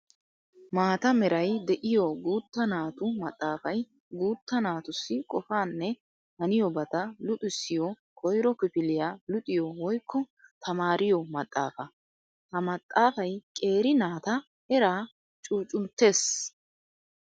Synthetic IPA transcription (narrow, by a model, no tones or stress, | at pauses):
maːt̪ɐmɛɾɐjd̪ɛʔɪjɔɡuːt̪ːɐnaːt̪ʊmɐt̪ʼːaːfɐj | ɡuːt̪ːɐnaːt̪ʊsːɪkʼɔfaːnːɛ | hɐnɪjɔbɐt̪ɐlʊt̪ʼɪsːɪjɔ | kʰɔjɾɔkɪpɪlɪjaːlʊt̪ʼɪjɔwɔjkʰːɔ | t̪ʰɐmaːɾɪjɔmɐt̪ʼːa̰ːfɐ | hɐmɐt̪ʼːaːfɐjkʼe̞ːɾɪnaːt̪ɐ | ɛɾaː | t͡ʃʼuːt͡ʃʼʊnt̪ːe̞ːs